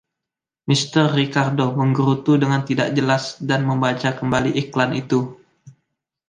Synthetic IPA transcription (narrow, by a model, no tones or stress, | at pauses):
mist̪ərːikardoməŋɡəɾut̪udəŋant̪idaʔ̚d͡ʒəlasdanməmbat͡ʃakəmbaliʔiklanʔit̪u